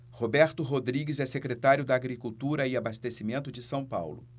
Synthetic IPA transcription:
hobɛɾt̪ʊɦod̪ɾiɡɪzɛsekɾet̪aɾjʊd̪ɐːɡɾikuwt̪uɾɐɪabast̪esimẽnt̪ʊd͡ʒɪsɐ̃w̃pa̰wlʊ̰

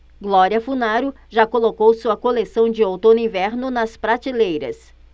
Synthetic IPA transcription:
ɡlɔɾiɐfunaɾʊ | ʒakolokowsuɐkolesɐ̃w̃d͡ʒɪowt̪õnʊĩvɛɾnʊnɐspɾat͡ʃilejɾɐ̰s

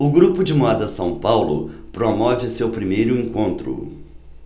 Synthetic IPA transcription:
ʊɡɾupʊd͡ʒɪmuad̪ɐsɐ̃w̃pawlʊ̰pɾomɔvɪʊsewpɾimejɾʊẽŋkõnt̪ɾʊ̰

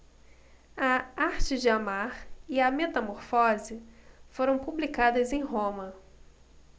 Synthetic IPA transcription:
ɐaɾt͡ʃɪd͡ʒɪamaɾiɐmet̪ɐmoɾfɔzɪfoɾɐ̃w̃publikad̪ɐzẽj̃ɦõmɐ

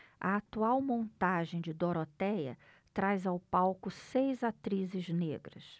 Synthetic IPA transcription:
ɐ̰at̪uawmõnt̪aʒẽj̃d͡ʒɪd̪oɾot̪ɛjɐ̰ | t̪ɾajzawpawkʊsejzat̪ɾizɪznḛɡɾɐ̰s

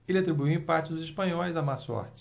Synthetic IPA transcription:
elɪat̪ɾibujwĩpat͡ʃɪd̪ʊziʃpɐ̃ɲɔjzamasɔ̰ɾt͡ʃɪ̥

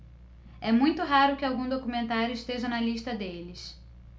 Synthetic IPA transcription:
ɛmũj̃t̪ʊɦaɾʊkɪawɡũd̪okumẽnt̪aɾjʊisʃt̪eʒɐnɐliʃt̪ɐd̪elɪs

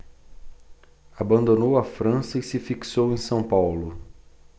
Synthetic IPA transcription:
abɐ̃nd̪onowɐfɾɐ̃sɐisɪfiksowẽj̃sɐ̃w̃pawlʊ

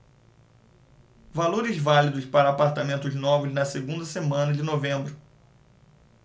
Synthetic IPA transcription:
valoɾɪzvalid̪ʊspaɾɐːpaɾt̪amẽnt̪ʊznɔvɪznɐseɡũnd̪ɐsemɐ̃nɐd͡ʒɪnovẽmbɾʊ

